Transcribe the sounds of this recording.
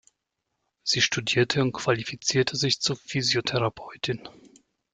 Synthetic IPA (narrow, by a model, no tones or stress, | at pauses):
z̥iːʃtudiːɐtʰəʊnt̚kv̥alifit͡siːɐtʰəzɪçt͡suɐfyːzjotʰɛʁapʰɔʏtʰɪn